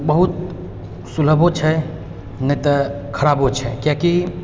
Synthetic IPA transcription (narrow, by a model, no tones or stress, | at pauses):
bəɦut̪ | sul̤əbot͡ʃʰɛ | nɛjt̪ɔ | kʰəɾabot͡ʃʰɛkjaki